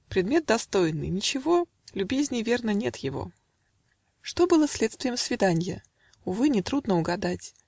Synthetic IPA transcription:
pɾʲɪd̪mʲe̞t̪̚d̪ɐst̪o̞jɪnːɨ̰jnʲɪt͡ɕɪvo̞ | lʲʊbʲezʲnʲɪjvʲe̞rnənʲe̞t̪jɪvo̞̰ | ʂt̪o̞bɨlˠəsʲlʲet̪st̪vʲɪjəmsvʲɪd̪anʲjə | ʊvɨnʲɪt̪ɾud̪nəʊɡɐd̪atʲ

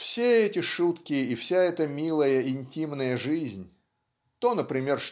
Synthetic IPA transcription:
fsʲeɛtʲɪʂut̪kʲɪːfsʲaɛt̪əmʲilˠəjəɪnʲtʲimnəjəʐɨzʲnʲ | t̪o̞nəpɾʲɪmʲe̞rʂ

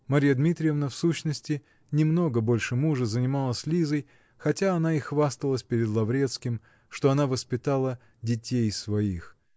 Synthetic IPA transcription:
mɐɾʲijəd̪mʲit̪ɾʲɪjəvnəfsuɕnəsʲtʲɪ | nʲɪmno̞ɡəbo̞lʲʂɨmuʐəzənʲɪmalˠəsʲlʲizəj | xɐtʲaɐnaixvast̪əlˠəsʲpʲɪɾʲɪd̪lˠɐvɾʲe̞t̪skʲɪm | ʂt̪oɐnavəspʲɪt̪alˠə | dʲɪtʲejsvɐix

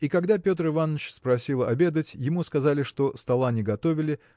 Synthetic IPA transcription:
ikɐɡd̪apʲo̞t̪rɨvanːət͡ɕspɾɐsʲilˠɐbʲe̞d̪ətʲjɪmuskɐzalʲɪʂt̪o̞st̪ɐlˠanʲɪɡɐt̪o̞vʲɪlʲɪ

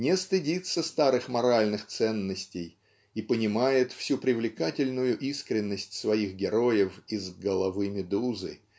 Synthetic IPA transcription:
nʲɪst̪ɨdʲit̪səst̪aɾɨxmɐɾalʲnɨxt̪sɛnːəsʲtʲɪj | ipənʲɪmajɪt̪fsʲupɾʲɪvlʲɪkatʲɪlʲnʊjʊʔiskɾʲɪnːəsʲtʲsvɐixɡʲɪɾo̞jəfizɡəlˠɐvɨmʲɪd̪uzɨ̰

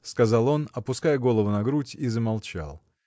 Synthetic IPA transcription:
skɐzɑlˠo̞nɐpʊskajəɡo̞lˠəvʊnɐɡɾutʲizəmalˠt͡ɕa̰lˠ

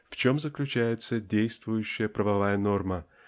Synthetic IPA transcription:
ft͡ɕo̞mzəklʲʉt͡ɕæjɪt̪sədʲejst̪vʊjʉɕːɪjəpɾəvɐvajəno̞rmə

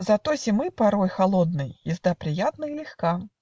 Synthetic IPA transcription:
zɐt̪osʲɪmɨpɐɾojxɐlˠod̪̚nɨjjɪzd̪apɾʲɪjat̪nəilʲɪxka

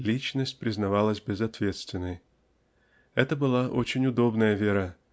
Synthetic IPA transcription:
lʲit͡ɕnəsʲtʲpɾʲɪznɐvalˠəsʲbʲɪzɐt̪vʲe̞t̪st̪vʲɪnːəj | ɛt̪əbɨlˠaʔo̞t͡ɕɪnʲʊd̪o̞bnəjəvʲeɾə

